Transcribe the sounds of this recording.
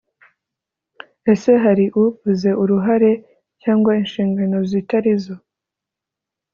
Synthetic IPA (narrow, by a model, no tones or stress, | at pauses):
e̞se̞ɦaɾiʔuvuze̞ʔuɾuɦaɾe̞ | caːŋɡwainʃiːŋɡano̞zitaɾizo